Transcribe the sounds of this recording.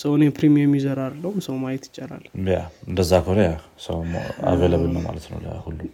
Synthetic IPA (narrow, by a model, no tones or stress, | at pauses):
səwnjɛpʰɾimijɛmːizəɾaɾlːəwumsəwmajɛt̪jɪt͡ʃʼːɛɾa̰lːjaɨnd̪əzːakʰoɾejasə̰wma̰veləβəlnːəma̰lət̪nə̰wlə̰hulːum